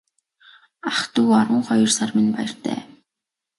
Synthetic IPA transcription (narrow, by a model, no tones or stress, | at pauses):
aχt̪uːaɾwə̆ɴχɔjɞ̆rsarminpa̰jə̆r̥t̪æ̰ː